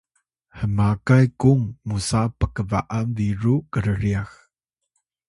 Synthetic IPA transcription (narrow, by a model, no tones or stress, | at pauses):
həmakajkuŋmusapəkəva̰ʔanviɾukəɾəɾiax